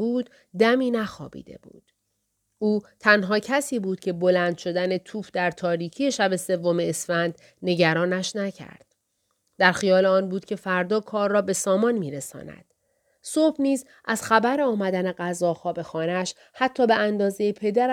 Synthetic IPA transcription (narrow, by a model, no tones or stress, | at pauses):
buːd̪̥ | d̪æmiːnæxɒ̰ːbḭd̪e̞̰bṵːd̪̥ | uːt̪ʰænɦɒːcʰæsiːbuːd̪̥cʰe̞bo̞læːnd̪ʃo̞d̪æne̞t̪ʰuːfd̪æɾt̪ʰɒːɾiːcʰije̞ʃæbe̞se̞vːomeːsfænd̪̥ | ne̞ɟæɾɒːnæʃnæcʰæ̰ɾd̪̥ | d̪æɾxijɒːleɒːnbuːd̪̥̚cʲʰe̞fæɾd̪ɒːkʰɒːrːɒːbe̞sɒːmɒːnmiːɾesɒ̰ːnæ̰d̪̥ | sobniːz | ʔæz̥xæbæɾeɒːmæd̪æne̞ɢæzɒːxɒːbe̞xɒːneæʃ | hæt̪ʰːɒːbeænd̪ɒːzejepʰe̞d̪æɾ